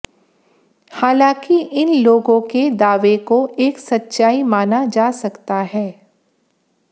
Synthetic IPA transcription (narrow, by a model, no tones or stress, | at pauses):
haːlãːkiʔɪnloːɡõked̪aːʋekoʔeːksɐtːʃaːimaːnad͡ʒaːsɐkt̪aɦɛː